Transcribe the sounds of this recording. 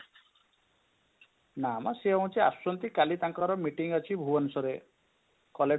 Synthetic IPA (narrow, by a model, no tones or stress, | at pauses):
namɔseɔ̃w̃t͡ʃʰia̰sɔnt̪ikalit̪aŋkɔɾɔmiʈiŋɔt͡ʃʰibʱuɔnusɔɾe | kɔle